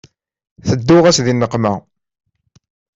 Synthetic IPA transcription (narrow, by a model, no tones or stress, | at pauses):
θəd̪ːʊʁæsðinːəqmæ